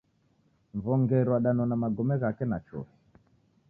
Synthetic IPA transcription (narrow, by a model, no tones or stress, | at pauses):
ɱvɔŋɡɛɾwaɗanɔnamaɡɔmɛɣakɛnat͡ʃɔ̰ɾi